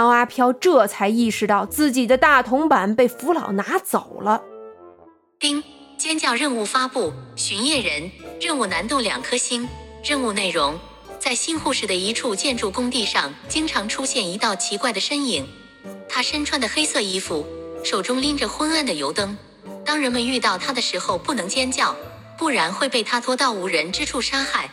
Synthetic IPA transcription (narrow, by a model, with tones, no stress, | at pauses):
ɑ˧˥ʊa˥pʰjɑ˥ʊʈ͡ʂɤ˥˩t͡sʰa˧˥ɪi˥˩ʂɻ̩˧t̪ɑ˥˧ʊt͡sɹ̩˥˩t͡ɕi˨˩d̪ə˦t̪a˥˩t̪ʰʊ˧˥ŋpa˨˩npe˥˩ɪfu˧˥lɑ˨˩ʊna˧˥t͡so˨˩ʊlə˦ | t̪i˥ŋ | t͡ɕjɛ˥nt͡ɕjɑ˥˧ʊɻə˥˧nu˥˩fa˥pu˥˩ɕy˧˥njɛ˥˩ɻə˧˥nɻə˥˧u˥˩na˧˥nt̪ʊ˥˩ljɑ̰˨˩ŋkʰɤ˥ɕi˥nɻə˥˧nu˥˧ne˥˩ɪɻʊ˧˥ŋ | t͡sa˥˧ɪɕi˥nxu˥˧ʂɻ̩˥˩d̪ə˩i˧˥ʈ͡ʂʰu˥˧t͡ɕjɛ˥˧nʈ͡ʂu˥˩kʊ˥ŋt̪i˥˧ʂɑ˥˩ŋt͡ɕi˥ŋʈ͡ʂʰɑ˧˥ŋʈ͡ʂʰu˥ɕjɛ˥˩ni˧˥t̪ɑ˥˩ʊt͡ɕʰi˧˥kwa˥˩ɪd̪ə˩ʂə˥ni˨˩ŋ | t̪ʰa˥ʂə˥nʈ͡ʂʰwa˥nd̪ə˩xe˥ɪsɤ˥˩i˥fu˥˩ʂo˨˩ʊʈ͡ʂʊ˥ŋli˥ŋʈ͡ʂə˨xwə˥na˥˩nd̪ə˩jo˧˥ʊt̪ɤ˥ŋ | t̪ɑ˥ŋɻə˧˥nmə˧ny˥˧t̪ɑ˥˩ʊt̪ʰa˥d̪ə˨ʂɻ̩˧˥xo˥˧ʊpu˥˩nɤ˧˥ŋt͡ɕjɛ˥nt͡ɕjɑ˥˩ʊ | pu˥˩ɻa˧˥nxwe˥˧ɪpe˥˩ɪt̪ʰa˥t̪ʰwɔ˥t̪ɑ˥˩ʊu˧˥ɻə˧˥nʈ͡ʂɻ̩˥ʈ͡ʂʰu˥˩ʂa˥xa˥˩ɪ